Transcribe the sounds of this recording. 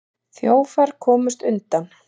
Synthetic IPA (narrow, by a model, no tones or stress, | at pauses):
θjoːwfaɾ̥kʰɔːmʏst̪ʏnt̪an